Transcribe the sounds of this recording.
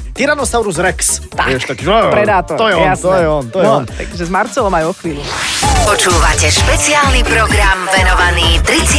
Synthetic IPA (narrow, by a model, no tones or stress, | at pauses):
t̪iɾanɔst̪aʊɾuzɾɛkst̪a̰ɛʃt̪akpɾɛd̪aːt̪ɔɾt̪ɔjɛɔnat̪ɔjɛɔnt̪ɔɛɛɔnaʒɛzmaɾt͡sɛlˠɔmajɔxʋiːlupɔt͡ʃuːʋacɛʃpɛt͡siaːlnipɾɔɡɾamʋɛnɔʋaniːt̪ɾit͡s